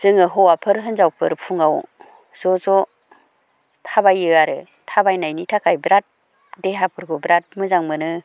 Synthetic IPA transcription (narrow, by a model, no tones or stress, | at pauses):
z̥ɯŋɯɦɔwapʰɯɾɦɯnzawpʰɯɾpʰuŋaw | z̥ɔzɔ | tʰabajɯaɾɯ | tʰabajnajnitʰakʰajbɾat̚ | deɦapʰɯɾɡobɾat̚mɯzaŋmɯnɯ